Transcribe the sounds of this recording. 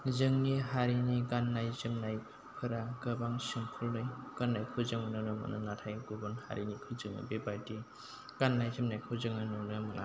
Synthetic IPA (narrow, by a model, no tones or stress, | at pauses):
zɯŋniɦaɾiniɡanːajzɯmnaj | pʰɯɾaɡɯbaŋsimpʰulːɯjɡ̥anːajkʰɯzɯŋɯnɯnɯmɯ̰nʔa̰natʰajɡubɯnha̰ɾinikʰɯzɯŋɯ̰bebaɾdi | ɡ̥anːajzɯmnajkʰɯzɯŋɯnɯnɯmɯnʔa̰